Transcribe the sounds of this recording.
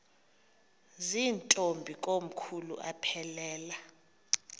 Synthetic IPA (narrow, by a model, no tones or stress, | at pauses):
ziːntʼombʱikʼom̩kʰulṵʔa̰pʰɛlɛːla